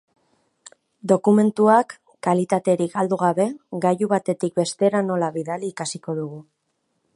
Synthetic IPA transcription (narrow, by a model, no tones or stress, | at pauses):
d̪o̞kume̞nt̪uakː | alit̪at̪e̞ɾikald̪uɣ̞aβe̞ɡajuβat̪e̞t̪ik̚be̞st̪e̞ɾano̞laβiðaliːkasiko̞ðuɣ̞u